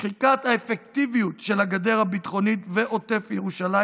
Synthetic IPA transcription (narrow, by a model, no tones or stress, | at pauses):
χikat̪haefektivijutʃe̞laɡad̪e̞ʁhabit̪χo̞nit̪veʔo̞t̪e̞fjeʁuʃala